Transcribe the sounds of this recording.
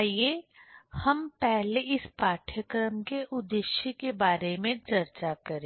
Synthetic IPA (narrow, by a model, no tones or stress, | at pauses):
iehɐmpɛɦleɪspaːʈʰjəkɾəmkeʔʊd̪ɪʃjəkebaːɾemẽt͡ʃɐɾt͡ʃakɐɾẽ